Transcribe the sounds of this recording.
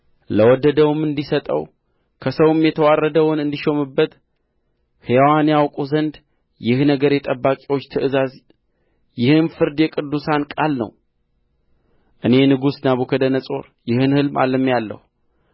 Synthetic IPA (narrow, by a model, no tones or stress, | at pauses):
ləwɔd̪ːəd̪əwɨmɨnd̪isət̪ʼə̰w | kʰəsəwmjɛt̪ʰəwarːəd̪əwɔnɨnd̪iʃo̞mɨbːət̪ | hewanjawkʼuzənd̪ | jɪhnəɡəɾjɛt̪ʼəbːakʼiwot͡ʃːt̪ʰɨʔɨzaz | jɪhɨnfɨɾd̪jɛkʼɨd̪ːusankʼalnə̰w | ʔɨne̞nɨɡusnaβukʰəd̪ənəsʼo̞̰ɾ | jɪhɨnhɨlma̰lːɨmːjalːə̰hu